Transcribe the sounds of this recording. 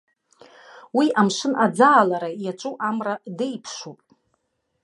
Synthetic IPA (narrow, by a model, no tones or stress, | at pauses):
wiʔamʂɨnʔad͡zaːlaɾajat͡ʃʷʼuʔamradejpʰʂupʼ